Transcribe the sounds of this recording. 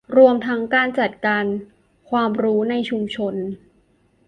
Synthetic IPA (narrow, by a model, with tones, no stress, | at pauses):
ɾu˧əmt̪ʰa˦˥ŋkaː˧nt͡ɕa˨˩t̪̚kaː˧n | kʰwaː˧mɾuː˦˥na˧jt͡ɕʰu˧mt͡ɕʰo˧n